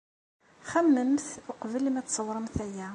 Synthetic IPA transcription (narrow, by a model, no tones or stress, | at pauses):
χæmːəmθʊqvəlmæt͡sːsˤəwɾˤəmθæjæ